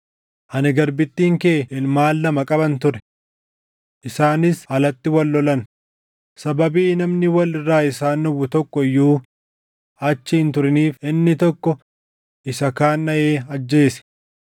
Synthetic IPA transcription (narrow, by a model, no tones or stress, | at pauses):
hɐnɪɡɐɾbɪt̪ːiːŋkeːɪlmaːlːɐmɐkʼɐbɐnt̪ʊɾɛ̥ | ʔɪsaːnɪshɐlɐt̪ːɪwɐlːɔlɐn | sɐbɐbiːnɐmnɪwɐlɪrːaːɪsaːnːɔwʊt̪ɔkːɔjːuː | ɐt͡ʃːɪɪnt̪ʊɾɪniːfɪnːɪt̪ɔkːɔ | ʔɪsɐkaːnːɐʔeːɐd͡ʒːe̞ːsɛ̥